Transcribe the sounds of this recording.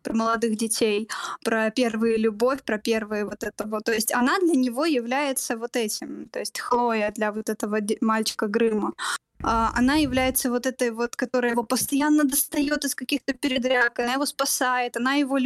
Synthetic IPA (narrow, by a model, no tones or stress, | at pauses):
pɾəməlˠɐd̪ɨxdʲɪtʲʰejpɾəpʲe̞rvɨjəlʲʊbo̞fʲpɾɐpʲe̞rvɨjəvo̞t̪ɛt̪əvət̪ːo̞ɪsʲtʲɐnad̪lʲənʲɪvo̞jɪvlʲæjɪt̪səvo̞t̪ɛtʲɪmt̪o̞ɪsʲtʲxlˠojəd̪lʲɐvot̪ɛt̪əvəmalʲt͡ɕɪ̥kəɡɾɨmə | aʔɐ̰najɪvlʲæjɪt̪səvo̞t̪ɛt̪əjvo̞t̪kɐt̪o̞ɾəjəjɪvopəst̪ɐjanːəd̪əst̪ɐjo̞t̪ɪskɐkʲixt̪əpʲɪɾʲɪd̪ɾʲakɐnajɪvo̞spɐsajɪt̪ɐnajɪvo̞